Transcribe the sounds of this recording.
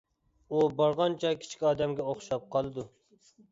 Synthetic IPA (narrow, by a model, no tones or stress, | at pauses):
ubɑɾʁɑnt͡ʃʰɛkʲʰi̥t͡ʃʰkʲɑːd̪ɛmɡʲɛoχʃɑp̚qʰɑlˠɨd̪u